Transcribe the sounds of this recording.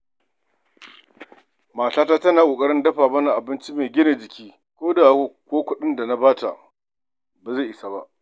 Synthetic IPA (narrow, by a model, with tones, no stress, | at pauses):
maː˨taː˦taː˦tɐ˦naː˨kʼoː˨kʼɐ˦ɽɪ˦ndɐ˦ɸaː˨bɐ˦na˨ʔa˨bɪ˦nt͡ʃi˦meː˨ɡʲɪ˦ne˨d͡ʒɪ˨kʲiː˦ | kʷoː˦da˨˦kʷoː˦kʷʊ˦ɗɪ˦nda˨na˦baː˦ta̰˨ | baː˨za˦˨ʔɪ˦sa˨ba̰˦ʔ